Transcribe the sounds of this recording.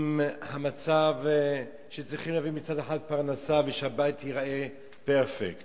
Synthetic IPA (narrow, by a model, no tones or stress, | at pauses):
mhamat͡sav | ʃet͡sʁiχimleavimit͡sad̪eħad̪̚paʁnasaveʃehabait̪hiʁaʔe | peʁfekt